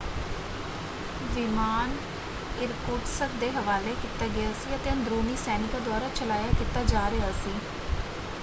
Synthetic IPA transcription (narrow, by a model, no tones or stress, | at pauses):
ʋimaːn | ɪɾkʊʈsəkd̪eːɦəʋaːleːkiːt̪aːɡɪjaːsiːət̪eːə̃nd̪ɾoːniːsɛːnɪkaːd̪ʊaːɾaːt͡ʃəlaːjaːkiːt̪aːd͡ʒaːɾɪaːsiː